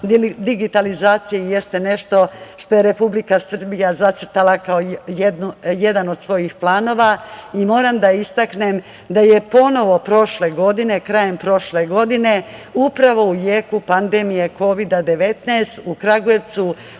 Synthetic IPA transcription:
d̪iɡit̪alizaːt̪sijejest̪ene̞ʃt̪o̞ʃt̪o̞je̞ɾe̞publikasr̩bijazat̪sr̩t̪alˠakaojed̪nuje̞d̪ano̞d̪sʋo̞jixplˠaːno̞ʋaimo̞ːɾamd̪aist̪aknem | d̪aje̞po̞no̞ʋo̞pɾo̞ʃle̞ɡo̞d̪ine̞kɾaːje̞mpɾo̞ʃle̞ɡo̞d̪ine̞upɾaʋo̞ujeːkupand̪e̞mije̞ko̞ʋid̪ad̪e̞ʋe̞t̪najst̪ukɾaɡoje̞ʋt̪su

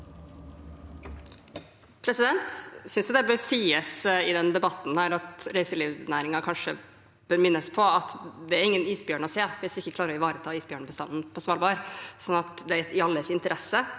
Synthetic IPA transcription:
pʰɾɛsɪd̪ɛnt̪sʏnsjʊd̪ɛbøɾsiːəsɪd̪ɛnd̪ɛbɑt̪ːn̩hæːɾɑt̪ɾæɪsəliːʋnæːɾɪŋɑkʰɑnʂə | b̥øːɾmɪnːəspʰɔɑt̪d̪ɛæɾɪŋːəniːsbjøːɳɔseːʋɪsʋɪɪçːəklɑːɾɔɪʋɑːɾət̪ʰɑːiːsbjøːɳəbəst̪ɑ̰nn̩pʰɔsʋɑlbɑːɾsɔnːɑt̪d̪ɛæɾɛt̪ɪɑlːəsɪnt̪əɾʔɛsə

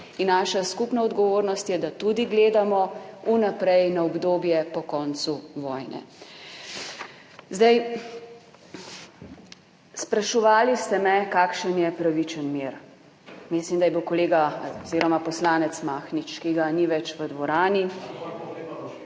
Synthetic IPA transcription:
inːaːʃaskupnaɔd̪ɡɔʋoːɾnɔst̪jɛd̪at̪ud̪iɡleːd̪amɔunapɾɛjnaɔbd̪oːbjɛpɔkɔːnt̪suʋɔjnɛ̰ | zd̪aj | spɾaʃɔʋaːlist̪ɛmɛkaːkʃənjɛpɾaʋit͡ʃənmeːɾ | mislimd̪ajɛbiwkɔleːɡaziɾɔmapɔslaːnɛt̪smaːxnit͡ʃkiɡaniʋɛt͡ʃʋəd̪ʋɔɾaːni

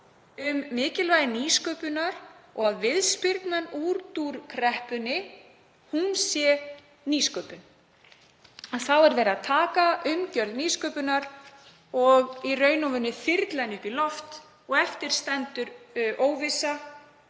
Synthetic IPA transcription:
ʏmːɪːcɪlvaːjðɪniːskœːpʏnaɾɔɣaðvɪðspɪɾt̪manuːɾt̪uɾkʰɾɛhpʏnɪ | hunsjɛ | niːskœːpʏn | aðθawɛɾvɛːɾaðt̪ʰaːkaʔʏmcœɾlniːskœpʏnaɾ | ɔɣirœːɥnɔvʏnːʏfɪɾt̪lanɪkilɔft̪ | ɔɣɛft̪ɪɾ̥st̪ɛnt̪ʏɾʔoːwvɪsa

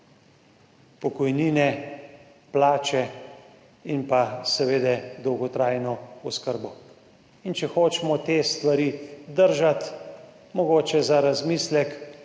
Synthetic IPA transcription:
pɔkɔjniːnɛ | plaːt͡ʃɛ | inpasɛʋeːd̪ɛd̪ɔwɡɔt̪ɾaːjnɔɔskəɾbɔ | int͡ʃɛxoːt͡ʃɛmɔt̪eːst̪ʋaɾiːd̪əɾʒat̪ | mɔɡoːt͡ʃɛzaɾazmiːslɛk

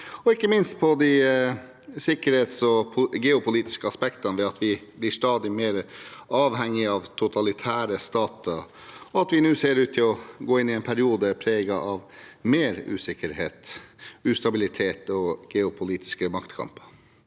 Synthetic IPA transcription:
ɔɪkːəmɪnst̪̚pʰɔd̪i | sɪkəɾheːt̪sɔpʰɡeːʊpʊliːt̪ɪ̥skəɑspɛkt̪ɑnʋɛɑt̪ʋɪblɪʂt̪ɑːd̪ɪmeːɾəɑːʋɦɛŋːɪɑʋt̪ʰʊt̪ʰɑlɪt̪ʰæːɾəst̪ɑːt̪əɾ | ɔɑt̪ʋɪnʉːseːɾʉːt̪t̪ʰːɪlɔɡoːɪnːɪɛɪnpʰæɾɪuːd̪əpʰɾeːɡɑʔɑʋmeːɾʉ̰ːsɪkːəɾheːt̪ʉːst̪ɑbɪlɪt̪ʰeːt̪ɔɡ̥ɛːʊpʰʊliːt̪ɪ̥skəmɑkt̪kʰɑ̰mpə̥

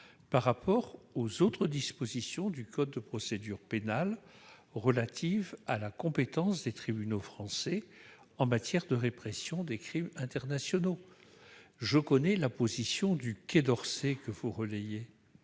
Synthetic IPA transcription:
paʁːapɔʁozot̪χəd̪ispozisjɔ̃d̪ykɔd̪̚ːəpχɔsed̪yʁpenalʁəlat̪ʰivalakɔ̃pet̪ɑ̃sd̪et̪χibynofχɑ̃sɛ | ɑ̃mat̪jɛʁd̪əʁepχɛsjɔ̃d̪ekχimɛ̃t̪ɛʁnasjɔno | ʒəkɔnɛlapozisjɔ̃d̪ykʲed̪ɔʁsekəvuʁəleje

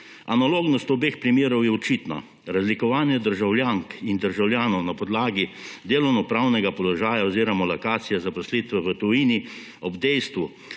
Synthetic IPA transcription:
analoːɡnɔst̪ɔbeːxpɾimeːɾɔwjɛɔt͡ʃit̪na̰ | ɾazlikɔʋaːnjɛd̪əɾʒawljaŋkind̪əɾʒawljaːnɔwnapɔd̪laːɡid̪eːlɔwnɔpɾaːwnɛɡapɔlɔʒaːjaɔziːɾɔmɔlɐkaːt̪sijɛzapɔslit̪ʋɛʋət̪ɔjiːni | ɔbd̪ɛjst̪ʋu

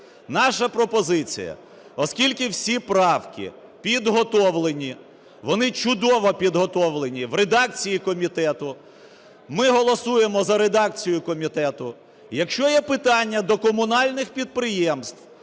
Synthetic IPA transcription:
nɑʃɐpɾɔpɔzɪt͡sʲḭjɐ̰ | ɔskʲilʲkɪwsʲipɾɑwkʲɪ̰ | pʲid̪ɦɔt̪ɔʋlˠenʲi | ʋɔnɪt͡ʃʊd̪ɔʋɔpʲid̪ɦɔt̪ɔʋlˠenʲiʋred̪ɑk̚t͡sʲijikɔmʲit̪ɛt̪ʊ | mɪɦɔlˠɔsujemɔzɐɾed̪ɑk̚t͡sʲijʊkɔmʲit̪ɛt̪ʊ | jɐkʃt͡ʃɔjɛpɪt̪ɑnʲːɐd̪ɔkɔmʊnɑlʲnɪxpʲid̪̚pɾɪjɛmst̪w

